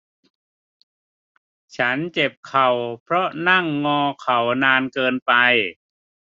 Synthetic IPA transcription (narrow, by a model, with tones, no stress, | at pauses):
t͡ɕʰa˦˥nt͡ɕe˨˩p̚kʰa˨˩wpʰɾɔ˦˥na˥˩ŋːɔː˧kʰa˨˩wnaː˧nkɤː˧npa˧j